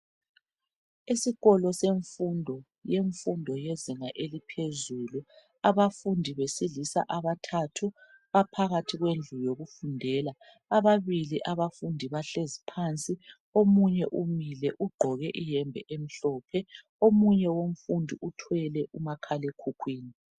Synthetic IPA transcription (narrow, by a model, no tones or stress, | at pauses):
isiɣɔlɔseɱfundʱɔ | jeɱfundʱɔjeziŋaʔelipʰezuːlu | aβafundʱiβesilisa̰ʔaβatʰatʰu | βapʰaɣatʰiɣwend͡ɮʱujoɣufundʱɛːla | aβaβiliʔaβafundʱiβaɬezipʰant͡sʼi | omuɲɛʔumilɛʔuɡ͡ǃʱɔɣɛʔijɛmbʱɛ̰ʔem̩ɬɔːpʰɛ | omuɲɛwom̩fundʱiutʰwɛlɛʔumakʰalekʰukʰwiːni